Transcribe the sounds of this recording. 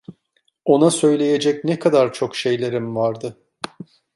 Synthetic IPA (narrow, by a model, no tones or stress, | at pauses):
o̞nasø̞jlʲe̞je̞d͡ʒɛcnɛkʰad̪aɾt͡ʃʰo̞kʃe̞jlʲe̞ɾimvaɾd̪ɯ